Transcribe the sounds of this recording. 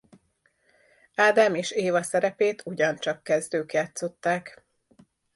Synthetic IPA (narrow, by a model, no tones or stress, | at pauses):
aːd̪aːmeːʃeːvɒsɛɾɛpeːt̪ʰuɟɒnt͡ʃɒkːɛzd̪øːkat̪so̞t̪ːaːk